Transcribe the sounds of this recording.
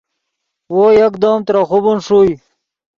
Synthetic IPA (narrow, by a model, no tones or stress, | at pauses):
wojakd̪oːmt̪ɾaxubunʂuj